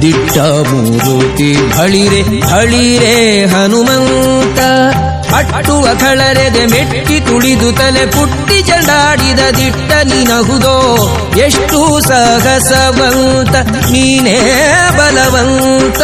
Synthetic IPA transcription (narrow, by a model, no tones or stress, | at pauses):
d̪iʈːɐ | mṵːɾuʈ̪ibʱɐɭiɾe | bʱɐɭiɾeɦɐnumɐnt̪ɐ | ɐʈːuʋɐkʰɐɭɐɾed̪emeʈːit̪uɭid̪ut̪ɐlepuʈːid͡ʒɐɳɖaːɽid̪ɐd̪iʈːɐninɐɦud̪oː | eʂʈusɐɦɐsɐʋɐnt̪ɐ | niːnebɐlɐʋɐn | t̪ɐ